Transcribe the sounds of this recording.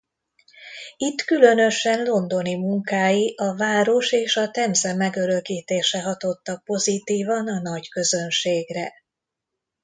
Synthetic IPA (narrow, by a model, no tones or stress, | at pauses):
it̪ːkylø̞nø̞ʃɛnlo̞nd̪o̞nimuŋkaːjiʔɒvaːɾo̞ʃeːʃɒt̪ɛmzɛmɛɡø̞ɾøkiːt̪eːʃɛɦɒt̪o̞t̪ːɒk̚po̞zit̪iːvɒnɒnɒɟkø̞zø̞nʃeːɡrɛ